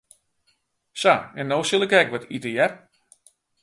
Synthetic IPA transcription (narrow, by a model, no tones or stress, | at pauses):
saɛnːoːwsilˠɪkɛkʋɔtitəjɛr